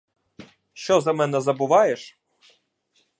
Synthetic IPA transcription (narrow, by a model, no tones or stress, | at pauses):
ʃt͡ʃɔzɐmɛnɛzɐbʊʋɑjeʂ